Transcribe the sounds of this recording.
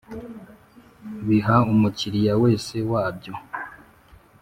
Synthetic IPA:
βiɦaumuciɾijawe̞ːse̞waːbɟo̞

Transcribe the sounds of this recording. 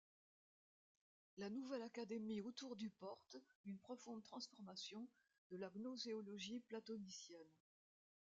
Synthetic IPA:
lanuvɛlakad̪emiot̪uʁd̪ypɔʁt̪ynpχɔfɔ̃d̪ət̪χɑ̃sfɔʁmasjɔ̃ | d̪əlaɡnɔzeɔlɔʒiplat̪ɔnisjɛn

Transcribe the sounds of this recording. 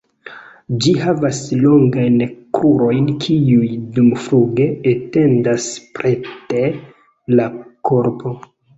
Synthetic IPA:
d͡ʒihavaslo̞ŋɡajnkɾuɾo̞jnkʰiujdumfɾuɡe̞ete̞ndaspɾe̞te | lakʰo̞ɾpʰo̞

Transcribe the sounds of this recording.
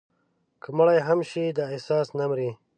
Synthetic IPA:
kʰəməɽajɦamʃid̪aesɑːsnamɾi

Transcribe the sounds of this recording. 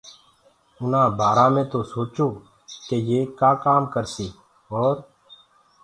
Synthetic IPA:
ʊnãːbʱaːɾãːmẽːt̪oːsoːt͡ʃoː | keːjeːkaːkaːmkəɾsiː | ɔːɾ

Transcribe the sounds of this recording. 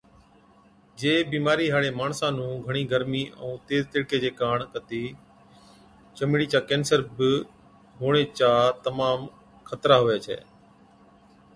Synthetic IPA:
d͡ʒeːbiːmaːɾiːɦaːɽeːmaːɳsãːnũːɡʱəɳ̃iːɡʱəɾmiːʔə̰̃ũːt̪eːzt̪ɪɽkeːd͡ʒeːkaːɳkət̪iː | t͡ʃəmɽiːt͡ʃaːkẽːnsəɾbɪ | ɦoːɳ̃eːt͡ʃaːt̪əmaːm | kʰət̪ɾaːɦoːjaːt͡ʃʰɛ̰ː

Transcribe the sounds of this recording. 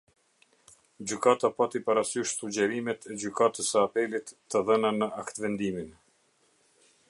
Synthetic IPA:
d͡ʑykat̪apat̪ipaɾasyʃsud͡ʑɛɾimɛt̪ʰɛd͡ʑykat̪əsəapɛlit̪ːəðənanəʔakt̪vɛnd̪imin

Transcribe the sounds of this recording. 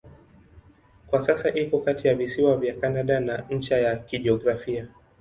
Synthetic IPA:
kwasasaʔikɔkatijavisiwavjakanaɗanaɲ̩t͡ʃajakiʄiɔɡɾafia

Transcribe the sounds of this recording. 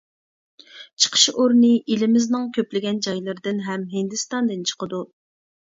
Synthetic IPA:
t͡ʃʰə̥qʰə̥ʃoɾnɨʔilɪmɪznɨŋkʲʰøplɪɡʲɛnd͡ʒɑjlˠɨɾɨd̪ɨnɦɛmɦɪnd̪ɨst̪ɑnd̪ɨnt͡ʃʰə̥qəd̪u

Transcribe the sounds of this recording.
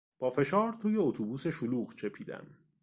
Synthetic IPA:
b̥ɒːfe̞ʃɒːɾt̪ʰuːje̞ot̪ʰubuːse̞ʃoluːɣt͡ʃʰe̞pʰiːd̪æ̰m

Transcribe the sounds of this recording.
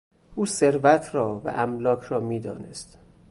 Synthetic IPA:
ʔuːseɾvæt̪ʰɾɒːvæ̰ʔæmlɒːcʰɾɒːmiːd̪ɒ̰ːnḛst̪

